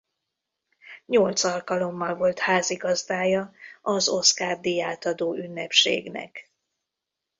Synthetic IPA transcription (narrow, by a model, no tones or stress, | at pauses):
ɲo̞lt̪sɒlkɒlo̞mːɒlvo̞lt̪haːziɡɒzd̪aːjɒɒzo̞skaːrd̪ijaːt̪ɒd̪oːynːɛpʃḛːɡnɛ̰k